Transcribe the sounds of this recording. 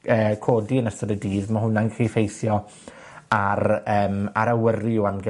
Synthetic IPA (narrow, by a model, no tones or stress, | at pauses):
əːkʰoːdiənəsədədiːðmaɦʊnːanɡrifejθjɔ | arəːma̰ɾawərɨɔanɡɛ